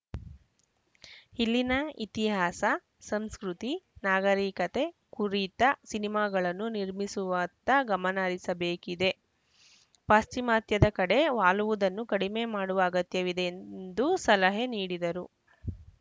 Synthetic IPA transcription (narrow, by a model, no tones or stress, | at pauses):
hilːinɐit̪iɦaːsɐ | sɐmskɾut̪inaːɡɐɾiːkɐt̪e̞kuɾit̪ɐsinimaːɡɐɭɐnːuniɾmisuʋɐːt̪ɐɡɐmɐnɐːɾisɐbeːkid̪e̞ | paːst͡ʃimaːt̪jɐd̪ɐkɐɽe̞ʋaːluʋud̪ɐnːukɐɽime̞ːmaːɽuʋɐːɡɐt̪jɐʋid̪ennd̪usɐlɐɦeniːɽid̪ɐɾu